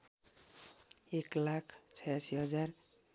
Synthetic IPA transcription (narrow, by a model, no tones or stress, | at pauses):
eklakʰt͡sʰʌjasiɦʌd͡zar